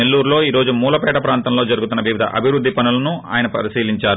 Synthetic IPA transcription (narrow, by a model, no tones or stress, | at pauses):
elːuːɾlo̞ːiːɾo̞ːd͡ʒumuːlɐpɛːʈɐpɾaːnt̪ɐmlo̞ːd͡ʒɐɾuɡut̪unːɐʋiʋid̪ʱɐ̰ʔɐ̰bʱiʋɾud̪ʱːipɐnulɐnua̰ːjɐnɐpɐ̰ɾisiːliɲt͡ʃaːɾu